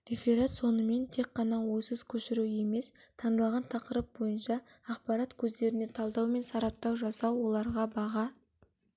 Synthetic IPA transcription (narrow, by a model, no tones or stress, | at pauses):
ɾefʲeɾat̪so̞nəme̞nt̪ʰe̞k̚qːɑnɑwo̞jsəzkʲʰɵʃɪɾue̞me̞st̪ʰɑnd̪ɑlˠʁɑnt̪ʰɑqəɾəp̚bo̞jənʃɑːqpɑɾat̪kʲʰɵzd̪e̞ɾɪne̞t̪ʰɑlˠd̪ɑwme̞nsɑɾɑp̚t̪ɑwʒɑsɑwːo̞lˠɑɾʁɑbɑʁɑ